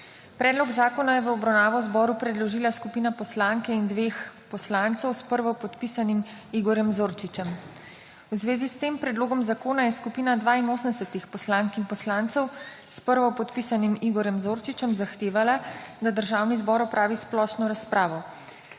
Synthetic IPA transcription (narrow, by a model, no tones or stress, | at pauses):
pɾɛːd̪lɔɡzaːkɔnajɛʋəɔbɾawnaːʋɔzbɔːɾupɾɛd̪lɔʒiːlaskupiːnapɔslaŋkɛind̪ʋeːxpɔslant̪sɔwspəɾʋɔpɔt̪pisanim | iɡɔɾjɛmzoːɾt͡ʃit͡ʃɛm | wzʋeːzist̪eːmpɾɛd̪loːɡɔmzakoːnajɛskupiːnad̪ʋaːinoːsənd̪ɛsɛt̪ixpɔslaːŋkinpɔslaːnt̪sɔw | spəɾʋɔpɔt̪pisanimiɡɔɾjɛmzoːɾt͡ʃit͡ʃɛmzaxt̪eːʋalad̪ad̪əɾʒaːwnizbɔːɾɔpɾʔaːʋisplɔʃnɔɾaspɾʔaːʋɔ